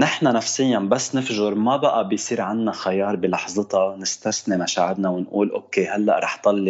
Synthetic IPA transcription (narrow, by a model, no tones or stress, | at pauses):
nɪħnanafsɪjːanbasːnɪfʒʊɾmabaʔabɪjsˤiːɾʕanːaxajɑːɾˤbilɑħzˤɨt̪ɑnɪst̪asnemaʃaːʕɪd̪nawɪnʔuːlʔoːkehalːa̰ʔɾˤɑːħt̪ˤɑlːi